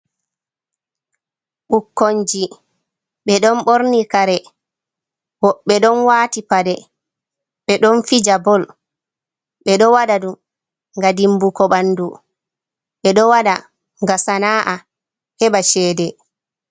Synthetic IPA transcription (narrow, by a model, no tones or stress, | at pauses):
ɓukːoɲd͡ʒi | ɓɛɗɔnɓoɾnikaɾɛ | wɔːɛɗɔnwaːtipadɛ | ɓɛɗɔnfid͡ʒabɔl | ɓɛɗɔwaɗadum | ŋɡadimbukɔɓandu | ɓɛɗɔwaɗa | ŋɡasanaʔa | hɛɓaʃɛːdɛ